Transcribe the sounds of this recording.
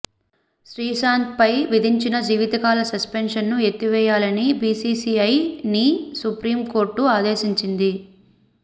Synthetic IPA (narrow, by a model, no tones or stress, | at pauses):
ʃɾiːsaːnt̪̚pɐjʋid̪ʱiɲt͡ʃinɐd͡ʒiːʋit̪ɐkaːlɐsɐspenʂɐnːuet̪ːiʋɛːjaːlɐnibiːsiːsiɐjnisupɾiːmko̞ːɾʈːuaːd̪eːʃiɲt͡ʃind̪i